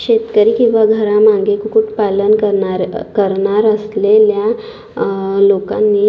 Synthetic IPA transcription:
ɕet̪kəɾiːkĩw̃ʋaɡʱəɾamaŋɡekukuʈpalənkəɾɳaɾkəɾɳaɾəslelja | lokanːiː

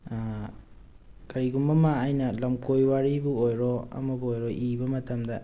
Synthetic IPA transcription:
kɐɾiɡumbɐmaːjnɐlɐmkojwaɾibuojɾɔɐ̰mɐbuojɾɔʔibɐmɐtɐmdɐ

